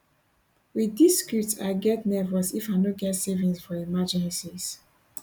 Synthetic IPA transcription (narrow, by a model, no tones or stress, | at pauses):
widiskɹutaɪɡɛtnɛvəsifaɪnoɡɛtsevĩŋsfɔɹimad͡ʒɛ̃nsiz̥